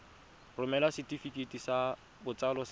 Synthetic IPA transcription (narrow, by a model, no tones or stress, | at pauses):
rʊmɛlasɪtʼifikʼetʼisa | bʊt͡sʼalɔs